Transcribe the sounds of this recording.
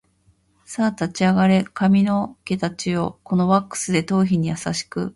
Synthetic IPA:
saːt̪at͡ɕiaɡaɾe̞kamʲino̞ke̞t̪at͡ɕio̞ko̞no̞βakːɯ̥sɨd̪e̞t̪o̞ːçiɲ̟ijasa̰ɕi̥kɯ̟̰

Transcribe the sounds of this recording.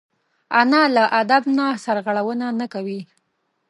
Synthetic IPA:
anɑlaʔad̪abnasaɾɣaɽawənanakawi

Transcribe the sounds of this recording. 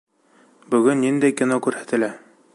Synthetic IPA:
bɵ̆ɡɵnːind̪æjkʲinokʉɾhæt̪ɘ̆læ

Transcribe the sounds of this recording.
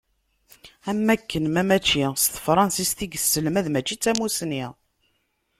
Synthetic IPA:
æmːækːənmæmæt͡ʃːist̪fɾˤɑnsist̪iɡəsːəlmæðmæt͡ʃːit͡sːæmusni

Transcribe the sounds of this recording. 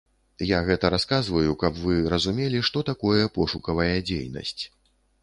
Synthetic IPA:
jaɣɛt̪ɐɾaskazvɐjukɐpvɨɾɐzumʲelʲiʂt̪ɔt̪akɔjɛpɔʂukɐvɐjɐd͡zʲḛjnɐ̰sʲt͡sʲ

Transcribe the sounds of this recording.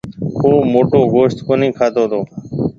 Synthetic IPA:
koːmoːʈoːɡoːʃt̪koːnĩːkʰaːt̪oːd̪oː

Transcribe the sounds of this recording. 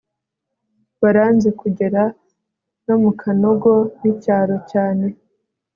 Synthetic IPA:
βaɾaːnzekuɟe̞ɾa | no̞mukʰano̞ɡo̞nicaːɾo̞caːne̞

